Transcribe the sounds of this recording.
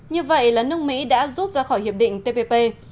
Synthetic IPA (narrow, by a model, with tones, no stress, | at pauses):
ɲɨ˧və̰˧˨jlaː˨˩nɨ˦˥əŋ̚mḭ˧˥ɗa̰ː˧˥zu˦˥t̚zaː˧xɔ˧˩jhi˨˩əp̚ɗḭ̈˧˨ŋ̟t̪e˧pe˧pe˧